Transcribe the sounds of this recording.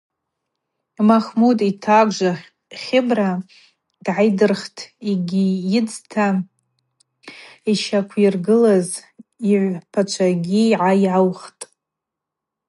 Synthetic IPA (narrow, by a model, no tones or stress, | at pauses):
maχmudʼitʰaɡʷʒa | χʲɪbra | d̥ʕajdɨrχtʰiɡʲijɪd͡ztʰa | iʃakʷʰirɡɨlaziʕʷpʰat͡ʃʷʰaɡʲiiʕaiʕawχtʼ